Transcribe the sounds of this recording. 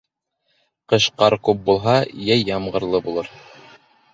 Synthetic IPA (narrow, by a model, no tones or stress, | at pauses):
qɤ̆ʃqɑɾkʉp̚bulˠɦɑjæjːɑmʁɤ̆ɾlˠɤbulˠɤɾ